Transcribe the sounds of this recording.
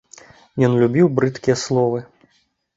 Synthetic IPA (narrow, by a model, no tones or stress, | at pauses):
jɔnlʲubʲiwbɾɨt̪kʲijɐslˠɔvɨ